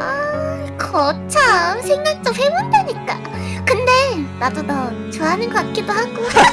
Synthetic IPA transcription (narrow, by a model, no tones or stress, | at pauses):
a | kʌt͡ɕʰasʰeŋɲaŋt͡ɕ͈ʌɸebondeɲik͈a | kɯnde̞ɾadotʌ | t͡ɕoɦanɯnɡʌak͈idohaɡo